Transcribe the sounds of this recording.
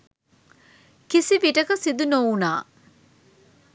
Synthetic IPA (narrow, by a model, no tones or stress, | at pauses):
kisiʋiʈəkəsid̪unowunaː